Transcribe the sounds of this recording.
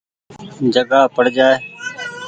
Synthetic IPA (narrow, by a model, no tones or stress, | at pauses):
d͡ʒəɡaːpəɽ̤d͡ʒaːeː